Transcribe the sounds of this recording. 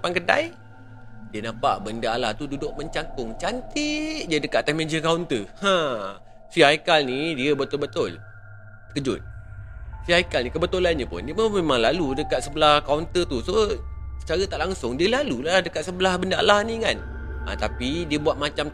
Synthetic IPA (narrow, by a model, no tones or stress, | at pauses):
pankəda̰j | diənapa̰ʔbəndaalaht̪ududʊʔ̚məɲt͡ʃaŋkʊŋt͡ʃant̪ɪʔdiədəkat̪ːɛhmed͡ʒəkawnt̪əhã | siaikalnidiəbət̪ʊlbət̪ʊl | sə̥kəd͡ʒʊ̰t̪̚ | siaikalnikəbət̪ulanɲəpʊ̰ndiəməmemãŋlaludəkat̪səbəlahkaunt̪ət̪usosə̥t͡ʃaɾət̪aʔlaŋsʊŋdiəlalulahdəkat̪̚səbəlahbəndaa̰lahnĩkan | ʔã̰t̪apidiəbuat̪̚mat͡ʃam